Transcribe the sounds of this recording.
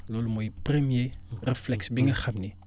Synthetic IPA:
lolmojprəmjerəflɛksbiŋəχabne

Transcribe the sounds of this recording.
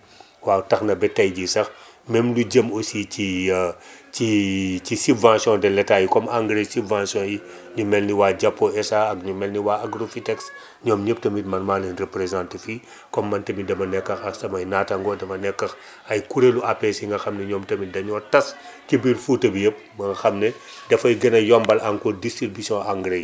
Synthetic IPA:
waːtɐxnɐbɛtːɐjɟisɐx | mɛmluɟəmosici | cicisubvãsjɔ̃ndɛlɛtaːjikɔmaŋɡɾesubvãsjɔ̃ːji | ɲumɛlniwaːɟapːɔɛsaɐɡɲumɛlniwaaɡɾofitɛks | ɲɔːmɲəp̚tɐmitmɐnmaːlinrepɾezãntfi | kɔmːɐntɐmidɐmɐnɛkːɐxɐsɐmɐjnatɐŋɡɔdɐmɐnɛkːɐx | ɐjkuɾeluapɛsiŋɡɐxɐmnɛɲɔːmtɐmidɐɲɔːtɐskibiɾfuːtɐbijəp̚ | mɐŋɡɐxɐmnɛ | dɐfɐjɡɐnɐjɔmbɐlaŋkɔdistɾibisiɔ̃aŋɡɾej

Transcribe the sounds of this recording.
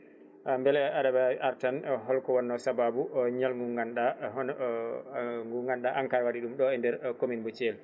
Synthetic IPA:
ambɛlɛaɗabaʔaɾtanɦɔlkɔwɔnːɔsababuɲalŋɡuŋɡanɗa | ŋɡuŋɡanɗaʔaŋkaɾwaɗiɗumɗɔɛndɛɾkominbut͡ʃɛl

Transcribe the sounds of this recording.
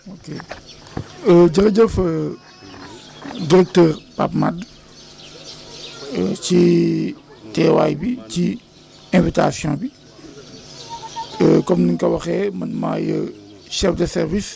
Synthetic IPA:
okeː | əɟɐɾɐɟəfə | diɾɛk̚təːrpa̰pmad | əci | tɛːwa̰ːjbici | ɛ̃vita̰sjɔ̃ːbi | əkɔmniŋkɐwɐxɛːmɐnma̰jə̰ | ʃɛfdəsɛɾvis

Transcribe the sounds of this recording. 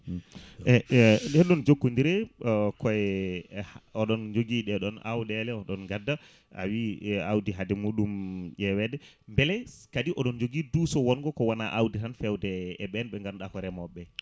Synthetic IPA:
ɛɗɛɗɔnd͡ʒokːundiɾɛkɔɛhɔɗɔnd͡ʒoɡiɗɛɗɔna̰wɗɛlɛɔɗɔnɡadːa | a̰wiawdiɦadɛmuɗumjɛwɛdɛ | mbɛlɛkadiʔɔɗɔnd͡ʒoɡidusɔwɔnɡɔkɔwanaʔawditanfɛwdɛɛɓɛnɓɛŋɡanɗakɔɾɛmɔɓːɛ

